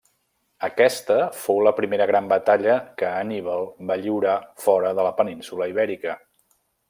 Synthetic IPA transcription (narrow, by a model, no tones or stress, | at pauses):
əkɛst̪əfowləpɾimeɾəɣɾambət̪aʎəkəːniβəlˠbaʎiwɾafɔɾəðələpəninsuləiβɛɾikə